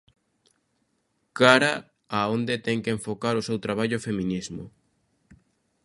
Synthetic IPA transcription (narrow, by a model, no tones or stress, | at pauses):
kaɾa | aond̪et̪ɛŋkeeɱfokaɾʊsewt̪ɾaβaʎʊfemĩnizmʊ̰